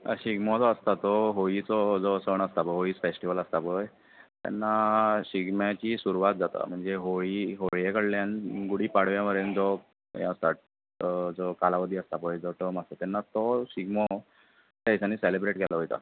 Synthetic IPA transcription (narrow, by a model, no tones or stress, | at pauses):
ə̰ɕiɡmɔd͡zɔəst̪at̪ɔɦoit͡sɔd͡zɔsəɳəst̪apəɦoiːt͡sfesʈiʋələst̪apɔj | t̪a̰nːaɕiɡmjat͡ɕiːsuɾuʋat̪̚d͡zat̪a̰m̤əɳd͡zeɦoɭiɦoɭjekəɽljanɡuɽiːpaɽ̤ʋjãʋəɾend͡zɔ | ja̰st̪aʈ̚ | d͡zɔkalaʋəd̪ʱiːəst̪apɔjd͡zɔʈəməst̪at̪ɛnːat̪ɔɕiɡmɔ | t̪ajsaniselebɾeʈkɛlaɦojt̪a̰